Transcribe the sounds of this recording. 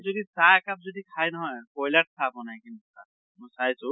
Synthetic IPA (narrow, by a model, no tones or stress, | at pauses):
zodisakap̚zodikʰajnɔɦɔjpɔjlaʈ̚tʰapɔnajkinusa̰ | mɔjsajsʊ